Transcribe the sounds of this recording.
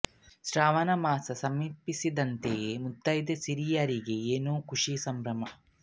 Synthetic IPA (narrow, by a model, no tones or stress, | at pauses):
ʃɾaːʋɐnɐmaːsɐsɐmiːpːisid̪ɐnt̪ejemut̪ːɐjd̪esiɾijɐɾiɡeeːnuːkuʂisɐmbɾɐmɐ